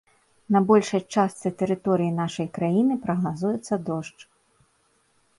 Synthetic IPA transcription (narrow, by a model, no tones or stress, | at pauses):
nɐbɔlʲʂɐjt͡ʂast̪sɨt̪ɛɾɨt̪ɔɾɨjin̪aʂɐjkɾajinɨpɾɐɣnazujɛt̪sːɐd̪ɔʂt͡ʂ